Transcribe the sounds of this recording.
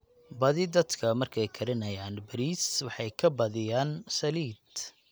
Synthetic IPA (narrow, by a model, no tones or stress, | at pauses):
bɐðɪd̪ɐd̪kʰɐmɐrkʰɛjkʰɐɾɪnɐjaːnbɐɾiːswɑħɑjkʰɐbɐðɪjaːnsɐliːd̪